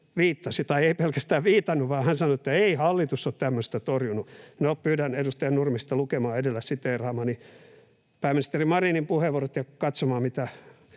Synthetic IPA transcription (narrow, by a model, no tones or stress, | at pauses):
ʋiːt̪ːɑsit̪ɑieipelkæst̪æːʋʋiːt̪ɑnːuʋʋɑːhænsɑnoet̪ːæeihɑlːit̪usːot̪t̪æmːøst̪æt̪orjununeoppyːdænedust̪ɑjɑnurmist̪ɑlukemɑːedelːæssit̪ːeirɑːmɑːni | pæːminist̪erimɑrinimpuheʋuorot̪jɑkɑt̪somɑːmit̪æ